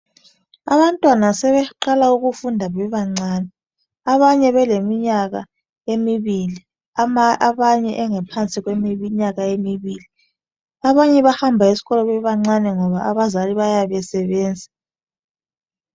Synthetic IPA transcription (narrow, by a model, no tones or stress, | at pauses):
a̰βantʼwanasɛβɛǃalauɣufundʱaβɛβaŋ͡ǀaːnɛ | aβaɲɛβɛlemiɲaɣa̰ | emiβili | βaɲɛʔɛŋɛpʰant͡sʼiɣwemiiɲaɣaemiβili | aβaɲɛβahambʱaisi̥ɣɔlɔβɛβaŋ͡ǀanɛŋɔβaʔaβazaliβajaβɛsɛβɛːnd͡zʱa